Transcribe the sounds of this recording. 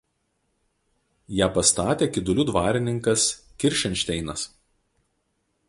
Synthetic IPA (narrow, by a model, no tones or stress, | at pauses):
jæːpɐst̪ɑːt̪ʲeːkʲɪd̪ʊlʲʊd̪ʋɑːɾʲɪnʲɪŋkɐskʲɪɾʲʃʲɛnʲʃʲt̪ʲɛɪnɐs